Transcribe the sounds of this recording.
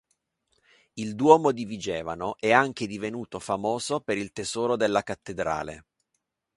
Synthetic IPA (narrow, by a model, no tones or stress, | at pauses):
ild̪wɔːmod̪ivid͡ʒɛːva̰noʔɛaŋk̟ed̪ivenuːt̪ofamoːzopeɾilt̪ez̥ɔːɾod̪elːakat̪ːed̪ɾa̰ːlḛ